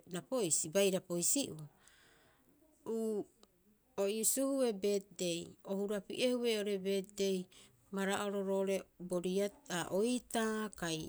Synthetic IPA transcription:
napojsibajɾapo̞jsiʔua | uː | oʔisuhue̞be̞tde̞jo̞huɾapḭʔehue̞o̞ɾe̞be̞tde̞j | maɾaʔoɾo̞ɾoɾe̞boɾiaaʔojtakaj

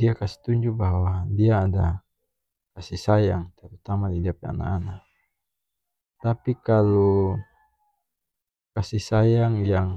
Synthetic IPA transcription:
diakasi̥t̪uɲd͡ʒubaɦwadiaːda | kasisajaŋt̪ɛɾut̪amadidiapɛa̰na̰ana | t̪apikalo | kasisajaŋjaŋ

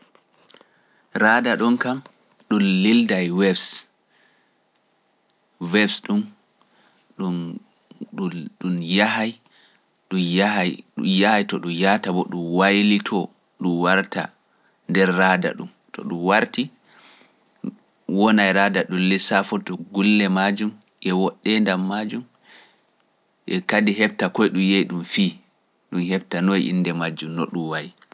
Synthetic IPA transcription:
ɾaːdaɗunkam | ɗunlildajwɛfs | wɛfsɗum | ɗu | ɗuɗumjaɦaj | ɗujahajjahajtɔɗumjatabɔɗumwajlitʰɔ | ɗumwaɾta̰ | ndɛɾːaːda̰ɗum | tɔ̰ɗumwaɾti | wɔnajɾaːdaɗunlisafɔtɔɡulːɛmad͡ʒum | ʔɛwɔɗːɛndamːad͡ʒum | ʔɛkadiɦɛb̚takɔjɗumjejɗumfiː | ɗumhɛbtanɔjʔḭnːdɛmad͡ʒːumnɔ̰ɗumwaji

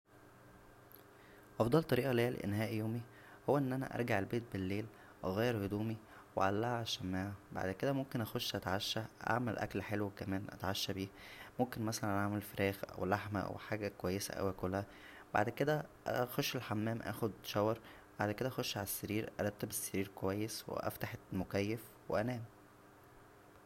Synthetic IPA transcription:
ʔɑfd̪ˤɑlt̪ˤɑɾiːʔɑlejæl̰ʔḛnhæːʔjoːmi | howːæʔenːʔænæ̰ʔɑ̰ɾˤɡaʕelbeːt̪̚belːeːl | ʔɣæːjːeɾhod̪uːmi | wḛʕalːæhʕæʃæmːæːʕæba̰ʕd̪ked̪æmomkenʔæxoʃːʔæt̪ʕaʃːæʔa̰ʕmelʔæ̰klħelwkæmæːnʔæ̰t̪ʕaʃːæbiːmomkenmæsælænʔaʕmelfeɾʔæːxʔæ̰wlaħmæ̰ʔæ̰wħaːɡækowæjːesæ̰ʔæ̰wækolːhæ | b̥a̰ʕd̪ked̪æʔæxoʃːelħamːæːmʔæ̰ːxod̪ʃɑwɑɾˤ | baʕd̪ked̪æʔæxoʃːʕalæsːeɾiːɾʔɑ̰ɾˤɑt̪ːebesːeɾiːɾkowæjːeswḛʔæ̰ft̪aħemokæjːef | weʔænæːm

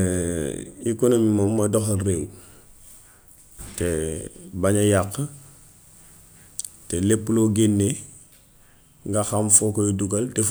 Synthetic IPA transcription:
ikonomimomːɐdoxrew | tebaɲajakː | telepːloɡenːe | ŋɡaxamfokojoduɡɐlte

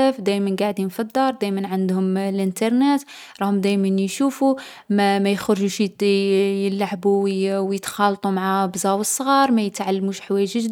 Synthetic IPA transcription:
æfd̪æjmənɡaʕd̪infid̪ːɑɾˤd̪æjmənʕand̪hʊmlʔənt̪ɑɾˤnæt̪ | ɾˤɑhʊmd̪æjmænjʃufu | mæmæjxəɾʒuʃ | jəlːaʕbuwjət̪xɑlt̪ˤumaʕabzɑwəsˤːɣɑɾˤmæjət̪ʕalːmuʃħwæjʒəʒd̪

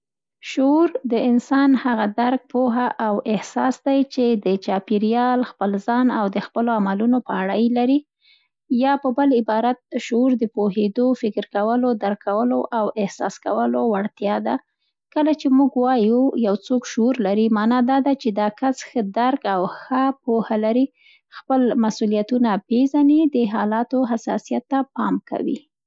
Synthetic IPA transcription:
ʃuuɾd̪əɪnsɑnhaɣad̪aɾk̚poɦaʔawɪhsɑsd̪ajt͡ʃed̪ət͡ʃɑpiɾijɑlxpəlzɑnawd̪əxpəloamalunopəaɽajlaɾi | jɑpəbəlɪbɑɾat̪̚ʃuuɾd̪əpoɦed̪ofɪkɾkawəlod̪aɾkʰawəloʔawɪhsɑ̰skawəlowaɽt̪jɑd̪a | kəlat͡ʃemuɡwɑjujawt͡sokʃʊuɾlaɾimɑnɑd̪ɑd̪at͡ʃed̪ɑkasxəd̪aɾkawxəpohalaɾi | xpəlmasulijat̪unapezanid̪əɦɑlɑt̪oɦasɑ̰sijat̪ːapɑmka̰wḭ

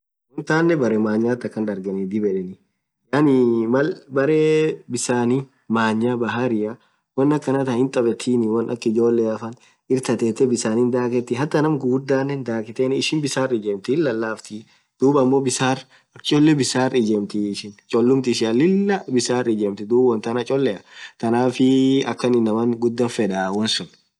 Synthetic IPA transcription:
wɔnt̪aːnːɛbɐɾeːmaːɲːaːt̪ːɐkːɐnd̪ɐɾɡɛnɪd̪ɪbɛᶑɛnɪ | janɪmɐlbɐɾeːbɪsaːni | maːɲːaːbɐɦaɾɪjɐ | wɐnːɐkːɐnɐt̪ɐhɪnt̪ʼɐbɛt̪ʰiːnɪwɐnɐ̰kːɪd͡ʒo̞ːlːeːɐfɐn | ɪɾt̪ɐt̪eːt̪ːɛbɪsaːnɪnd̪aːkɛt̪ːɪɦɐt̪ːɐnɐmɡʊɡd̪ːaːnːɛnd̪aːkɪt̪eːnɪʃɪnbɪsaːrɪd͡ʒɛmt̪ɪɪlːɐlːaːft̪ɪ | d̪̥uːbɐmːoːbɪsaːr | ɐt͡ʃʼɔlːɛbɪsaːrɪd͡ʒɛmt̪ɪʃɪnt͡ʃʼɔlːʊmt̪ɪʃ̬ɪɐlɪlːɐbɪsaːrɪd͡ʒɛmt̪ɪd̪uːbwɔnt̪ɐnɐt͡ʃʼɔlːɛɐt̪ɐnaːfɪɐkːɐnɪnːɐmɐnɡʊd̪ːɐnfɛᶑɐwɐnsʊn

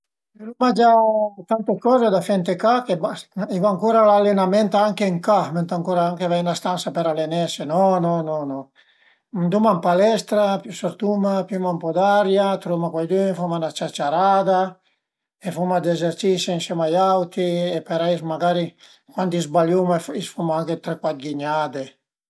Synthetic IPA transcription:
ɾumad͡ʒat̪ant̪ekɔːzed̪afɛnt̪ekakebaivaaŋkuɾalalːenamɛnt̪aaŋkeŋkamɛnt̪aŋkuɾaaŋkevajnlast̪ansapeɾalenɛsenɔnɔnɔnɔ | mnd̪umampalɛst̪ɾapysoɾt̪umapjymaumpɔd̪aɾjat̪ɾumakwajd̪yfumanat͡ʃat͡ʃaɾad̪a | efumad̪ezeɾt͡ʃiseinsjɛmajawt̪iepeɾajsmaɡaɾi | kwant̪izbaljumefisfumaaŋket̪ɾekwat̪̚ɡiɲaːd̪e

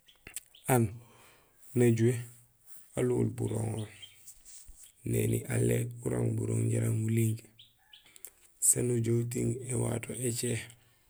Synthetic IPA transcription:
an | naɟue | aluːlbuɾoŋol | neniʔalːekuɾaŋbuɾoŋɟaɾaŋmuliŋɡ | sanuɟowt̬iŋewatoʔet͡ʃe

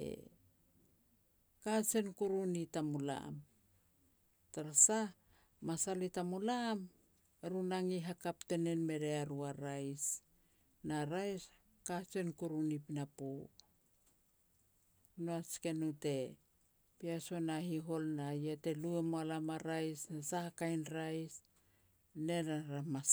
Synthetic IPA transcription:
ḛ | kat͡ʃe̞nkuɾunitamula̰m | taɾasa | masalitamulam | eɾunaŋiɦakapte̞ne̞nme̞ɾe̞aɾuaɾajs | naɾajs | kasenkuɾunipinapo | noaske̞nute̞ | piaso̞nahiɦo̞lnajete̞luemoalamaɾajsnasahakajnɾajs | ne̞naɾama

